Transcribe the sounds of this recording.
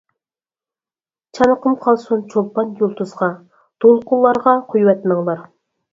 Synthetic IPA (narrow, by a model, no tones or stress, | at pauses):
t͡ʃʰɑnəqəmqʰɑlˠsunt͡ʃʰolˠpɑnjolˠt̪ʰuzʁɑ | d̪̥olˠqʊlˠːɑɾʁɑqʰujwɛt̪məŋlˠɑɾ